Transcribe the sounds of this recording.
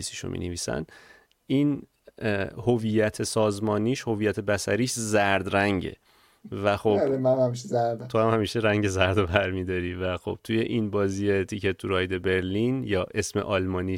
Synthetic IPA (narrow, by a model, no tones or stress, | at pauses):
isiʃo̰mḭneviːsæ̰n | iːn | hovijæt̪ʰe̞sɒːzmɒːniːʃho̞vijæt̪ʰe̞bæsæɾiːʃzæɾd̪ɾæŋɟe̞̰ | væxobmæhæmiʃezæɾd̪t̪ʰohæmhæmiːʃeɾæŋɟe̞zæɾd̪obæɾmid̪ɒɾiːvæxo̞̰b̥̚t̪ʰuje̞ʔinbɒːziːje̞t̪ʰicʰet̪ʰːuɾɒjd̪e̞be̞ɾlinjɒːʔe̞smḛʔɒlmɒːniː